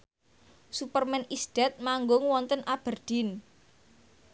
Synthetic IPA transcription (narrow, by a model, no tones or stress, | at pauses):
supərmɛnisd̪̥ɛ̤t̪̚maŋɡʊŋwɔnt̪ənʔab̥ə̤rd̪̥in